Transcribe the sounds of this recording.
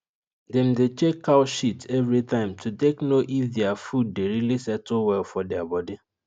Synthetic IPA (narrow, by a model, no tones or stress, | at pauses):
dɛ̃mdet͡ʃekʰːaʊʃitɛvɹitãɪ̃mtʰuteknoʔifdɛafud̚ːeɾilisɛtowɛlfɔdɛabɔdi